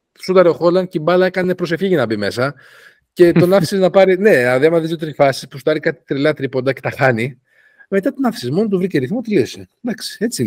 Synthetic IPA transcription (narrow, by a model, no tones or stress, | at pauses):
sut̪ɐɾeoxo̞lɐncibɐlɐekɐne̞pɾose̞fçiʝɐnɐbime̞sɐ | ce̞t̪o̞nɐfi̥siznɐpɐɾine̞ɐðiɐmɐðizjot̪ɾifɐsi̥spusu̥t̪ɐɾikɐt̪i̥t̪ɾilɐt̪ɾipo̞nd̪ɐce̞t̪ɐxɐni | me̞t̪ɐt̪onɐfi̥sizmo̞not̪uvɾiceɾiθmot̪liosid̪ɐksi̥e̞t͡si